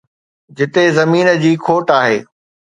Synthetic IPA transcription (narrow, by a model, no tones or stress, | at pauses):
d͡ʑɪt̪ezɐmiːnəd͡ʑiːkʰoːʈaːɦeː